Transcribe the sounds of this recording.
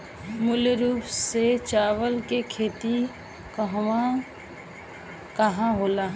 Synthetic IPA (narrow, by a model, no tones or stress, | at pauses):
mʊleɾuːpset͡ʃaːʋəlkekʰeːt̪i | kəɦwa | kɐɦãɦoːlaː